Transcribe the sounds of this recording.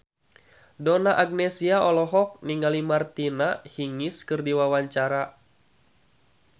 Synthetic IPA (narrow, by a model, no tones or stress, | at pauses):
dɔnaʔaɡ̚nɛsiaɔlɔɦɔk̚niŋalimart̪inahiŋiskɨrdiwawaɲt͡ʃaɾa